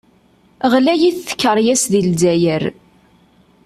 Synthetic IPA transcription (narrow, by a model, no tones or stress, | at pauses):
ʁlæjiθːə̥kːəɾˤjæsðilzæjəɾ